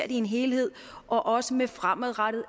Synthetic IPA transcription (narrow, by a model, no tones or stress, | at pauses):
ɐ̰d̥ie̝nɦe̝ːlhe̝ð̞̰ˠ | ʔɒ̽ʔɒ̽səmefʁaməðˠʁaɾ̥ð̩ˠ